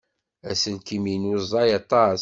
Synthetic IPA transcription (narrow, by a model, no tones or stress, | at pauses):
æsəlkiminuzˤɑjɑt̪ˤːɑ